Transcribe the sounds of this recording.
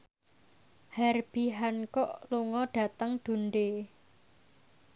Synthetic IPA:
hɛrb̥i̤ɦankɔʔluŋɔɖ̥a̤t̪əŋɖ̪̥ṳnɖe

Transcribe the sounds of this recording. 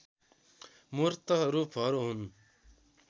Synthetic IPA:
murt̪ʌɾupʰɦʌɾuɦun

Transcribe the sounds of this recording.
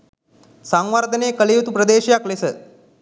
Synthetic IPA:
saŋʋaɾd̪ʱəneːkəlejut̪upɾɐd̪eːʃijaklesə

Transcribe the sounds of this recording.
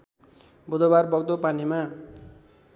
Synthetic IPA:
bud̪obarbʌɡ̚d̪opanima

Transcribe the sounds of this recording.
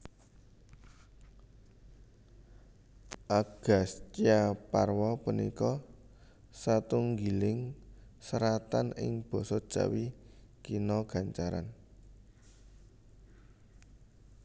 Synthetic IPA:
ʔaɡ̥a̤st͡ʃiaparwɔpunikɔ | sat̪uŋɡilɪŋsəɾat̪anɪ̰ŋb̥ɔ̤sɔd̥ʒ̥a̰wikinɔɡ̥a̤ɲt͡ʃaɾa̰n

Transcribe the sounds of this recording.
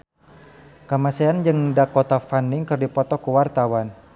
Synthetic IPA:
kamaseand͡ʒɨŋdakɔt̪afanɪŋkərdipɔt̪ɔkuwart̪awan

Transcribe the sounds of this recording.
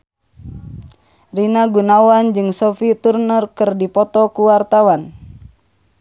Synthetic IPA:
rinaɡunawand͡ʒɨŋsɔfit̪urnərkɨrdipɔt̪ɔkuwart̪awan

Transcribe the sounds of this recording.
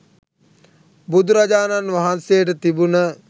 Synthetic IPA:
bud̪uɾad͡ʒaːnanʋaɦansejəʈət̪ibunə

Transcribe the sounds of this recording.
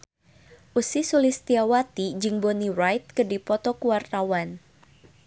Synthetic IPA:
ʔusisulɪst̪iawat̪id͡ʒɨŋboniɾajt̪̚kədipɔt̪ɔkuwart̪awan

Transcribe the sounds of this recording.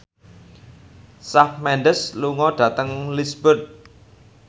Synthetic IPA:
safmɛnɖəsluŋɔɖ̥ä̤t̪əŋlisbʊt̪̚

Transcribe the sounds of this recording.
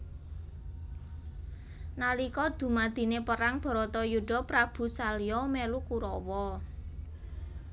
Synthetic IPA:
nalikɔd̪̥ṳmad̪̥i̤nepəɾaŋb̥ɔ̤ɾɔt̪ɔjuɖ̥ɔ̤pɾab̥ṳsalijɔmɛlukuɾɔwɔ

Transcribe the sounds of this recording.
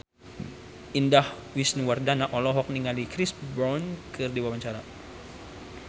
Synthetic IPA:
indahwisniwardanaʔɔlɔɦɔk̚niŋalikɾisbɾɔnkɨrdiwawaɲt͡ʃaɾa

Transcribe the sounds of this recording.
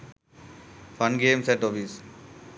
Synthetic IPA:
fʌ̃nɡeːmsɛʈofis

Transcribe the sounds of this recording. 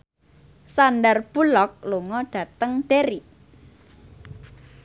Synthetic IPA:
sandarb̥ulɔk̚luŋɔɖ̥ä̤t̪əŋɖ̥eɾi

